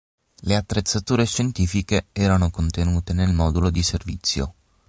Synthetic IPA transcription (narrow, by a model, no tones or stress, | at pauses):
leat̪ːɾet̪sːat̪uːɾeʃːent̪iːfikeɛːɾanokont̪enuːt̪enelmɔːd̪ulod̪iservit̪sːjo̰